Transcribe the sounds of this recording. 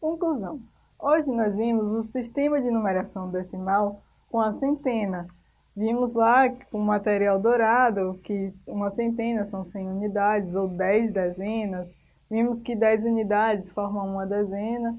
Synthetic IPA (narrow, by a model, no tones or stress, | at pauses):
kõkluzɐ̃w̃ | oʒɪnɔzvĩmʊzʊsiʃt̪ẽmɐd͡ʒɪinũmeɾasɐ̃w̃d̪esɪmaw | kõɐsẽnt̪ẽnɐ | vĩmʊzlakõmat̪ɛɾiawd̪oɾad̪ʊkɪũmɐsẽnt̪ẽnɐsɐ̃w̃sẽj̃unid̪ad͡ʒɪzowd̪ɛjzd̪ɛzẽnɐs | vĩmʊskɪd̪ɛjzunid̪ad͡ʒɪsfɔɾmɐ̃ũmɐd̪ɛzẽnɐ